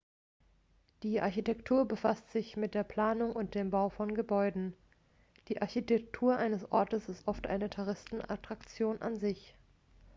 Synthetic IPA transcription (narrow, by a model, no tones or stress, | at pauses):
d̥iːʔaɐçitʰɛktʰuːɐbəfastz̥ɪçmɪt̚d̥eːɐpl̥aːnʊŋʊntd̥eːmbaʊfɔnɡəbɔʏdn̩ | d̥iːʔaɐçitʰɛk̚tʰuːɐʔaɪnəsʔɔɐtəsɪstʔɔftʔa̰ɪnətʰaʁ̞ɪstn̩a̰tʁ̥akt͡sjoːnʔa̰nzɪç